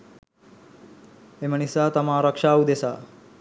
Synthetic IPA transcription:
emənisat̪ɐmaɾəkʂaud̪esa

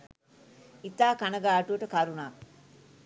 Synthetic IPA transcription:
it̪aːkanəɡaːʈuʋəʈəkaɾunak

